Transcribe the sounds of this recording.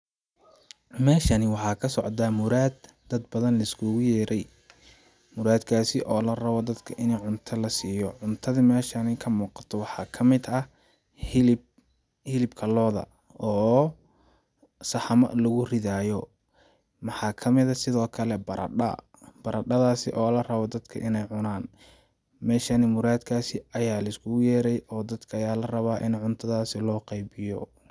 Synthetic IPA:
mɛːʃɐnɪwɑħɑːkʰɐsɔʕd̪aːmʊɾaːd̪ːɐd̪bɐðɐnlɐɪskʰʊɣʊjɛːɾɛj | mʊɾaːd̪kʰaːsɪʔɔːlɐrɐβɔd̪ɐd̪kʰɐʔɪnɛjʕʊnt̪ʰɐlɐsiːjɔʕʊnt̪ʰɐðimɛːʃɐnɪkʰɐmuːqɑ̥t̪ʰɔwɑħɑːkʰɐmɪd̪ɐ | hɪlɪbkʰɐlɔːðɐ̰ | ɔː | sɑħɑmɐ̰ʔlɐɣʊrɪðaːjɔ | mɑħɑːkʰɐmɪðɐsɪðɔːkʰɐlɛbɐɾʔɐ̰ɖɐ̰ | b̥ɐɾɐɖɐðaːsɪʔɔːlɐrɐβɔd̪ɐd̪kʰɐ̰ʔɪnɛjʕʊnaːn | mɛːʃanɪmʊɾaːd̪kʰaːsɪɐjaːlɐɪskʰʊɣʊjɛːɾɛjɔːd̪ɐd̪kʰɐːjaːlɐrɐβaːʔɪnʕʊnt̪ʰɐðaːsɪlɔːqɑjbɪjɔ̰

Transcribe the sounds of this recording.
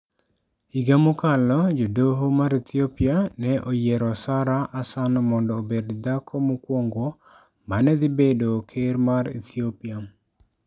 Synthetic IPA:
iɡamokalɔd͡ʒodoɦomaɾit̪iopianɛʔojɛɾɔsaɾaʔasanmɔndɔːbedd̪akʰɔmukwoŋɡo | manɛd̪ɪbedokʰeɾmaɾḭt̪ʰiopia

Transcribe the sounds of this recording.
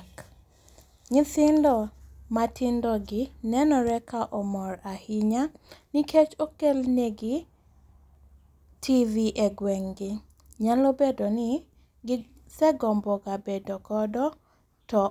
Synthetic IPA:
k | ɲɪsɪndɔmatɪndɔɡɪnɛnɔɾɛkaʔɔmɔɾahɪɲaniket͡ʃokelneɡɪ | tiviʔeɡwɛŋɡɪ | ɲalobedonɪ | ɡɪ | sɛɡɔmbɔɡabedokɔdɔ | tɔ

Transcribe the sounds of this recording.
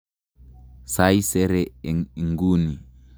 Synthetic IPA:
sajisɛɾɛŋɡuni

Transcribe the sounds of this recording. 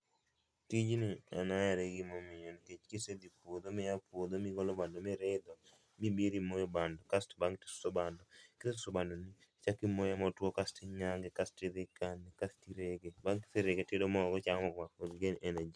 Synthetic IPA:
tid͡ʒnia̰najaɾeɡimɔmɪjoniket͡ʃkised̪ipwod̪omɪjapwod̪omiɡɔlobandɔmɪɾed̪ɔ | mibiɾimojobandɔkastbaŋti̥ssobandɔkɪseusobandɔni | t͡ʃakimojamɔtwokastiɲaŋɡekastɪɾɪkanːikastiɾeɡebaŋkɪ̥seɾeɡetedomɔɡɔt͡ʃaŋmɔɡmafod̪iɡenenad͡ʒi

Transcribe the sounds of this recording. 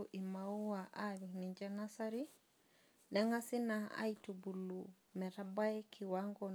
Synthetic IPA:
uʔimauaʔaɾiniɲd͡ʒanasaɾi | nɛŋasinaa̰itubulu | mɛɾabaikʰiwaŋɡɔ

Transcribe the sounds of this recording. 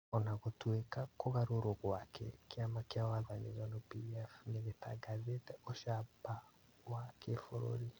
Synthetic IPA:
ɔnaɣotwekakoɣaɾoɾoɣwakʰɛkeamakeawaðanezanopiɛfneɣetaɡazetɛoʃaba | wakefoɾo̰ɾi

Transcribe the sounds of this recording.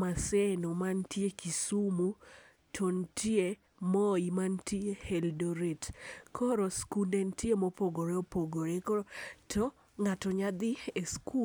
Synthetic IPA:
masɛnomantjekisumu | tʰontie | mɔimantieheldoɾetkʰɔɾoskudentjemopoɡoɾeopoɡoɾekoɾtʰɔ | ŋatɔɲad̪ɪesku

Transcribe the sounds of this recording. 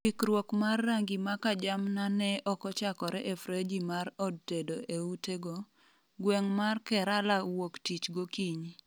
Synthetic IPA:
ikɾwokmarːaŋɡimakad͡ʒamnanɛʔɔkɔt͡ʃakɔɾɛʔefɾed͡ʒimaɾɔd̚tedoʔeuteɡɔ | ɡwɛŋmarkɛɾalawoktit͡ʃɡokiɲi

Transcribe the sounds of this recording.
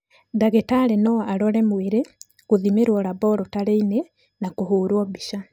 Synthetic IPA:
daɣetaɾenɔaɾɔɾɛmweɾe | ɣoðimeɾwɔɾabɔɾɔtaɾeine | nakoɦoːɾwɔbiʃa

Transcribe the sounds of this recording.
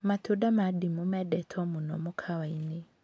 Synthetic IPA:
matʰudamadimumɛdɛtʰɔmunɔ̰mukʰawaine

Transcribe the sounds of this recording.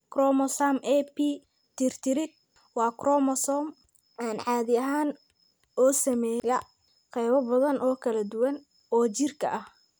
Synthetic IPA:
krɔmɔsamʔɛpʰi | t̪ʰɪrt̪ʰɪɾɪd̪̚ | wɑːkrɔmɔsɔm | ʔaːnʕɑːðɪɐɦaːn | ɔːsɐmɛːjɐ | qɛjβɐbɐðɐnʔɔːkʰɐlɐd̪ʊwɐn | ɔːt͡ʃɪrkʰɐ̰ʔɐh

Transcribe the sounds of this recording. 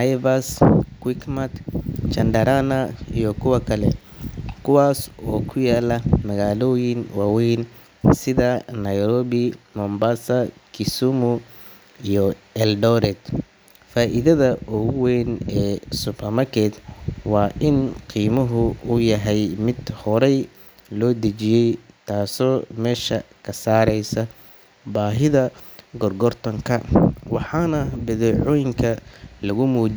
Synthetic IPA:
najvɐskwɪkmɐt̪t͡ʃɐnd̪ɐɾanɐijɔkʰʊwɐkʰɐlɛ | kʰʊwaːsɔːkʰʊjaːlɐmɐɣaːlɔːjɪnwɑːwɛjn | sɪðɐnɐjɾɔːβɪmɔmbasɐkʰɪsumʊ | ijɔɛldɔɾɛd̪ | faːʔɪðɐðɐʔɔɣwɛːnɛːsʊpʰɐmɐkʰɛt̪wɑːʔɪnqiːmɐɦʊʊjɐɦɛjmɪd̪hɔɾɛj | lɔːd̪ɐt͡ʃɪjɛjt̪ʰaːsɔːmɛːʃɐkʰɐsaːɾɛjsɐ | baːɦɪðɐɡɔrɡɔrt̪ʰɔŋkʰɐwɑħɑːnɐbɐðɛːʕɔːjɪŋkʰɐlɐɣʊmuː

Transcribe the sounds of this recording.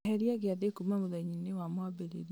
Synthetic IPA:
ɦɛɾiaɣeaðekumamoðaiɲinewamowabeɾḛɾ

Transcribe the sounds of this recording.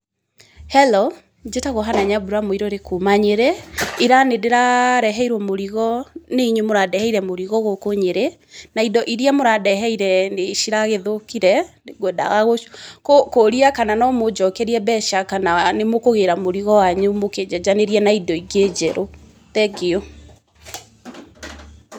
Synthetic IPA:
hɛlo | d͡ʒetaɣoɦanaɲabuɾamoiɾɔɾekomaɲeɾɛiɾanedeɾaɾɛɦɛiɾwɔmoɾiɣɔneiɲemoɾadɛhɛiɾɛmoɾiɣɔɣokoɲeɾɛ | naidɔʔiɾiamoɾadɛɦɛiɾɛneʃiɾaɣeðokiɾɛneɡwɛda̰ɣaɣokokoɾiakananɔmod͡ʒɔkɛɾiɛbɛʃakananemokoɣeɾamoɾiɣɔwaɲumoked͡ʑad͡ʑaneɾiɛnaidɔiɡed͡ʑɛɾo | tɛɡeo

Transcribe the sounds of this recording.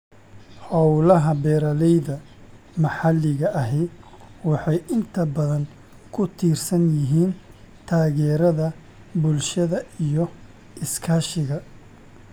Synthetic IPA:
hɔwlɐɦɐbɛːɾɐlɛjðɐ | mɐħɑlːɪɣɐʔɐɦɛ | wɑħɑjʔɪnt̪ʰɐbɐðɐn | kʰʊt̪ʰiːrsɐnjɪɦiːn | t̪ʰaːɣɛːɾɐðɐ | bʊlʃɐðɐijɔ | ʔɪskʰɐːʃɪɣɐ

